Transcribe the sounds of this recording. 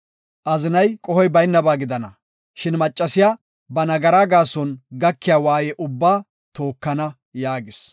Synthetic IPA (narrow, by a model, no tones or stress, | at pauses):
ʔɐzɪnɐjkʼɔhɔjbɐjnːɐbaːɡɪd̪ɐnɐ | ʃɪnmɐt͡ʃʼːɐsɪjaː | bɐnɐɡɐɾaːɡaːsɔnɡɐkːɪjaːwaːjɛʔʊbːaː | t̪o̞ːkːɐnɐ | jaːɡɪs